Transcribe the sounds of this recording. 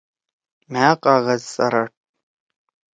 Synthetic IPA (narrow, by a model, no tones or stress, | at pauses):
maːqʼaʁɐzt͡sʼɐɾɐʈʼ